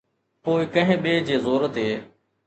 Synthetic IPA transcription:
poːikə̃ɦɪ̃ːɓeːd͡ʑeːzoːɾət̪ɦeː

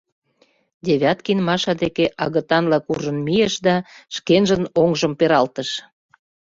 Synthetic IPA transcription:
d̪ʲeβʲɑt̪kinmɑʃɑd̪ekeʔɑɣə̆t̪ɑnlɑkuʒə̆nmijeʃd̪ɑʃkenʒə̆noŋʒə̆mpeɾɑlt̪ə̆ʃ

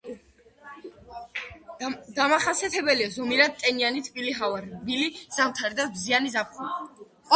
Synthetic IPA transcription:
d̪amaχasiɛt̪ʰɛbɛliazɔmiɾad̪̚t̪ʼɛnianit̪ʰbiliɦavaɾbiliz̥amt̪ʰaɾid̪abzianizap̚χua | ɔ

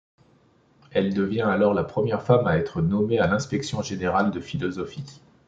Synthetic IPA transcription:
ɛld̪əvjɛ̃alɔʁlapχəmjɛʁfamaɛt̪χənɔmealɛ̃spɛksjɔ̃ʒeneʁald̪əfilɔzɔfi

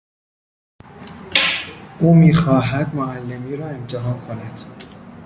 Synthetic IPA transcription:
ʔuːmiːxɒːɦæd̪moælːe̞miːɾɒːe̞mt̪ʰe̞ɦɒːnkʰonæd̪̥

